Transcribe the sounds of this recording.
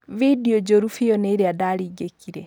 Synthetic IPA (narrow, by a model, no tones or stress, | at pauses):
vidod͡ʒoɾufiɔneɾeadaɾiːɡekiɾɛ